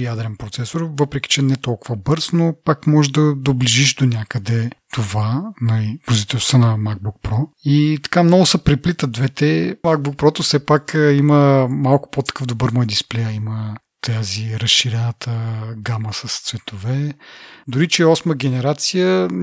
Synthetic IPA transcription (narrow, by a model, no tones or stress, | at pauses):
jad̪ɾɛnpɾot̪sɛsoɾvɤpɾɛk̟i̥t͡ʃɛnɛt̪ɔlˠkʊvɐbɤɾsnopakmɔʒd̪ɐd̪obliʒiʃd̪onʲakəd̪ɛt̪ovanɐibozit̪ɛst̪ənɐmaɡ̚buk̚pɾɔit̪ɐ̥kamnɔɡʊsɐpɾɛplit̪əd̪vɛt̪ɛmaɡ̚buk̚pɾɔt̪ofsɛpakiməmalˠkʊ̥pot̪ɐ̥kɤvd̪obəɾmɔjd̪isplɛjəimə | t̪aziɾɐsʃiɾɛnət̪ʰəɡaməsɐst̪svɛt̪ovɛd̪ʊɾit͡ʃɛɔsməɡʲɛnɛɾat̪sijə